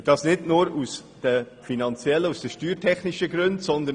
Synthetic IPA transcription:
d̥ɑːsnɪdnʊɾusd̥ə | finɑnt͡siɛlːəusd̥əʃtyːɾtʰɛχniʃəɡɾɵntsɔnd̪ə

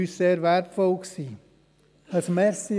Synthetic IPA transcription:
ysseːɾvɛɾpfɔlksiː | əsmɛɾsi

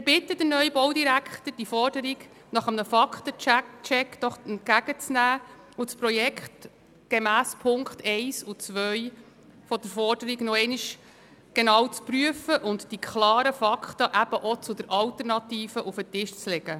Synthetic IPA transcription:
mɪɾbɪt̪ːəd̥̪ənœjbɔwdiɾækʰχt̪əd̥ifɔɾd̥əɾiɡ | nɑχəmnəfɑkχtət͡ʃɛkd̥ɔχɛnt̚ɡæɡ̥ət͡snæː | ʊspɾɔjɛkχt | ɡ̥emæːspʰʊŋkχtʰɛɪsʊt͡sʋœj | fɔdəɾfɔɾdəɾiɡnɔɛɪniʃ | ɡ̥enɑːwt͡spryəfəʔʊntd̥ikʰχlɑːɾəfɑkχt̪əʔæb̥əʔɔt͡sʊd̪əɾʔɑltəɾnɑtiːfəʔufətɪʃt͡slɛɡ̥ə

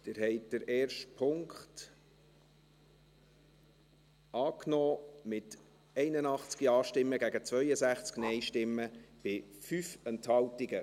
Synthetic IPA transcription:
d̥ɪɾɦɛɪt̚d̥əɾɛːrʃtpʰʊŋkχt | ɑːknɔːmɪt | ɛɪnənɑχt͡skiɑːʃtɪmːəɡæɡət͡svœʏəzæχt͡sknɛɪʃtɪmːəb̥ɪfyfɛnthɑltiɡə

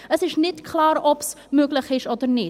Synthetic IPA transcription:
əsɪsnɛtkʰlɑːɾɔps | mʉəkləχɪʃɐlˠtərni

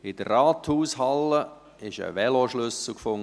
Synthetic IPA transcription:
ɪd̥əraːt̪huːsɦɑlːə | ɪʃə̰ʋɛloʃlʏsl̩ˠkfʊŋ

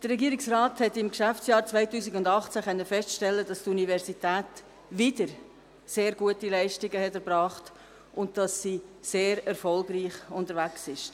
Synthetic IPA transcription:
d̥əɾːɛɡiːɾɪksrɑːthɛtɪmkʃæft͡sjɑːɾt͡svaɪtuːsiɡʊndɑχt͡sæχœnːəfɛstʃtɛlːədɑstunivɛɾsitæːt | ʋɪdəɾ | seːɾɡuətilɛɪʃtɪɡəhɛtɛɾbɾɑːχt | ʔʊnt̚d̥ɑsːiːseːɾɛɾfɔlɡriːχʊntəɾvæksɪʃ

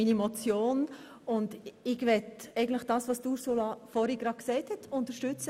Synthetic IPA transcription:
miːnimɔt͡sjoːn | ʊndɪɡʋɛtɛɪɡən̩tləχd̥ɑːsʋɑsd̥uːsolɑfɔɾiɡ̥ɾɑ̥ksɛɪthɛtʰʊntəʃtʏt͡sə

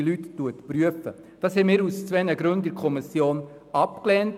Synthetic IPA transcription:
lytːuətpɾyəfə̰ | d̥ɑːshɛmɪːɾust͡sʋɛnəɡɾɵndɪɾkʰɔmisjoːn | ɑpklɛnt

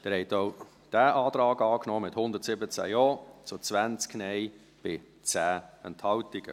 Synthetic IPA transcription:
d̥ɛːɾhɛtoʊ | d̥æːʔɑːtɾɑːɡɑːknɔːmɪthʊndətsɪbət͡sæ̰jɔːt͡sʊt͡svænt͡sknɛɪ | b̥ɪ | t͡sæːɛnthɑltɪɡ̥ə̰

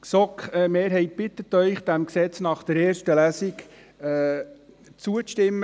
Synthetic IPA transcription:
sɔkɛmeːɾɦɛɪt̚b̥ɪt̪ːət̪œʏχd̥̪æmksɛt͡snɑχd̥ɛɾeːrʃtəlæːsɪkː | t͡suəstɪmː

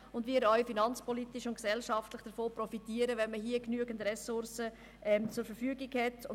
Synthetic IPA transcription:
ʊndʋiːɾœɥfinɑnt͡spʰɔlitiʃʊntksɛlʃɑftləχd̥əɾfoːprɔfitiəɾəʋɛnməɦiəknyəɡəndrɛsʊɾsə | ʔɛmt͡sʊɾfəɾfyːɡiɡhɛt

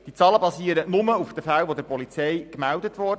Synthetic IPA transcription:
d̥it͡sɑːləbɑsiːəɾənʊməufd̥əfælʋod̪əɾpɔlit͡sɛjkmældətʋɔrd

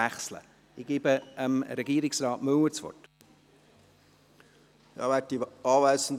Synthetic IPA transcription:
æχslə̰ | ɪɡ̥ibəəmɾɛɡiːɾɪksrɑːtmʉwət͡svɔ̰t | jɑ̰ʋɛtiɑːʋæɪsən̩

